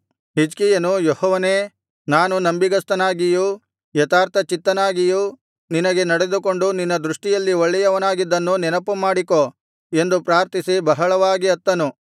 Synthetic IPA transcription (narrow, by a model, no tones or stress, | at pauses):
ɦid͡ʒkijɐnujɔhɔːʋɐneː | naːnunɐmbiɡɐst̪ɐnaːɡiju | jɐt̪aːɾt̪ʰɐt͡ʃit̪ːɐnaːɡiju | ninɐɡe̞nɐɽe̞d̪uko̞ɳɖuninːɐd̪ɾuʂʈijɐlːioɭːɛjɐʋɐnaːɡid̪ːɐnːunɛnɐpːumaːɽiko | e̞nd̪upɾaːɾt̪isibɐɦɐɭɐʋaːɡiɐt̪ːɐnu